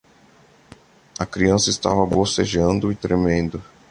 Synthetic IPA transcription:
ɐkɾiɐ̃sɐɪst̪a̰vɐboseʒɐ̃nd̪ʊɪt̪ɾemẽnd̪ʊ

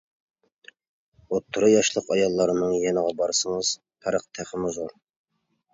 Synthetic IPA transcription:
ot̪ʰːuɾɨjɑʃlˠəqɑjɑlˠːɑɾɨnɨŋjɛnəʁɑbɑɾɨsɨŋɨz̥ | pʰæɾəq̚t̪ʰæχəmʊzoɾ

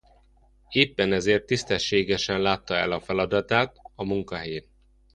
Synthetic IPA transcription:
eːpːɛnɛzeːrt̪ːist̪ɛʃːeːɡɛʃɛnlaːt̪ːɒɛlɒfɛlɒd̪ɒt̪aːt̪ɒmuŋkɒɦɛjeːn

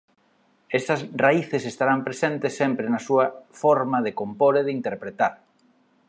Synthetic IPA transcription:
est̪ɐsraiθesest̪aɾampɾesent̪ɪsːempɾenɐsuɐfɔɾmɐðekompoɾeðint̪eɾpɾet̪aɾ

